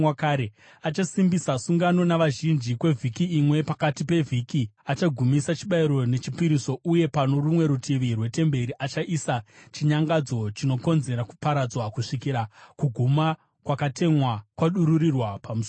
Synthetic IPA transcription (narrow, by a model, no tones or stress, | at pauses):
wakaɾe | at͡ʃasimbisasuŋɡano̞naʋaʒind͡ʒikwe̞vʱikiːmwe̞pakatipe̞vʱikiat͡ʃaɡʱumisat͡ʃiɓaiɾo̞ne̞t͡ʃipiɾiso̞ʔuje̞pano̞rumwe̞ɾutʰiʋirwe̞te̞mbe̞ɾiʔat͡ʃaʔisat͡ʃiɲaŋɡad͡zo̞t͡ʃino̞ko̞nze̞ɾaku̥paɾad͡zwakuʂikiɾakuɡʱuma | kwakate̞mwakwaɗuɾuɾirwapamuso